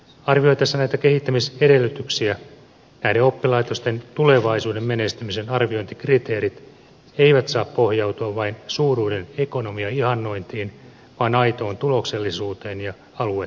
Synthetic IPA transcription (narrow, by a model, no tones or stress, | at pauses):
ɑrʋio̞jt̪ɑsːɑnæjt̪æke̞ɦit̪ːæmise̞de̞lːyt̪yksiæ | næhdeo̞pːilɑjt̪o̞st̪e̞nt̪ule̞ʋɑisuːde̞mːene̞st̪ymise̞nɑrʋio̞jnt̪ikrit̪e̞ːɾit̪ | e̞iʋæt̪sɑːppo̞hjɑwt̪uɑʋʋɑinsuːruːde̞ne̞ko̞no̞miɑihɑnːo̞ijnt̪iːn | ʋɑːnɑjt̪o̞ːnt̪ulo̞kse̞lːisuːt̪e̞ːnjɑ | ɑlue